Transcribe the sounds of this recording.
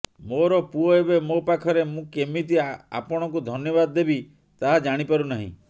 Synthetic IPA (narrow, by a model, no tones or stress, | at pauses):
moɾɔpuɔebemopakʰɔɾemũkemit̪iaa̰pɔɽ̃ɔkud̪ʱɔnjɔbad̪ɔːebi | t̪aɦad͡ʒaɽ̃ipaɾunaɦḭ̃